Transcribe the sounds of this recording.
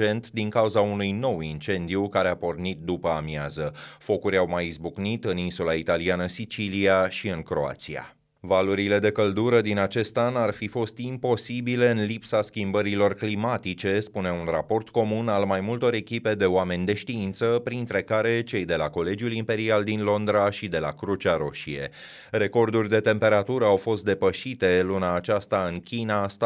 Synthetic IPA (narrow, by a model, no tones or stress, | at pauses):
e̞nt̪d̪iŋkauzaunujno̞wint͡ʃe̞nd̪ijukaɾeapo̞rnit̪̚d̪upəamiazəfo̞kuɾʲawmajizbuknit̪ɨninsulait̪alianəsit͡ʃiliaʃiɨŋkɾo̞̰a̰t̪sia̰ | valuɾile̞d̪e̞kəld̪uɾəd̪inat͡ʃe̞st̪anarfifo̞st̪impo̞sibile̞ɨnlipsaskʲimbəɾilo̞rklimat̪it͡ʃe̞spune̞unra̰po̞rt̪ko̞munalmajmult̪o̞ɾe̞kʲipe̞d̪e̞oame̞nʲd̪e̞ʃt̪iint̪səpɾint̪ɾe̞kaɾe̞t͡ʃe̞jd̪elako̞le̞d͡ʒiulimpe̞ɾiald̪inlo̞nd̪ɾaʃid̪e̞la̰kɾut͡ʃaɾo̞ʃie̞̰ | ɾe̞ko̞rd̪urʲd̪e̞t̪e̞mpe̞ɾat̪uɾəawfo̞st̪̚d̪e̞pəʃit̪e̞lunaːt͡ʃast̪aɨnkʲinas